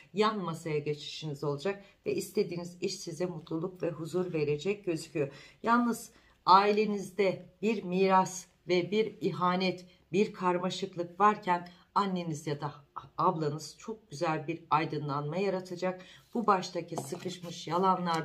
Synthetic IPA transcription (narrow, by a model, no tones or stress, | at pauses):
janmasajaɟe̞t͡ʃʰi̥ʃinizo̞lˠad͡ʒak̚vɛʔist̪ʰe̞d̪iːniziʃsizɛmut̪ʰlˠulˠukvɛɦuzuɾve̞ɾe̞d͡ʒɛc̚ɟø̞zycʰyjojalˠnɯz | aːilʲenizd̪ɛbiɾmiːɾas | vɛbiɾiɦaːnɛt̪ | biɾkʰaɾmaʃɯklˠɯkvaɾcʰæn | anːe̞nizjad̪aablˠanɯz̥t͡ʃʰo̞k̚ɟ̥yzælʲbiɾajd̪ɯnlˠanmajaɾat̪ʰad͡ʒak̚b̥ubaʃt̪ʰacʰisɯkɯʃmɯʃjalˠanlˠaɾ